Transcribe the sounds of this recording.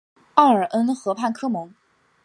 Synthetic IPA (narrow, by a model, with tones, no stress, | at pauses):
ɑ˥˩ə˞˨˩ʔə˥nxɤ˧˥pʰa˥˩nkʰɤ˥mʊ˧˥ŋ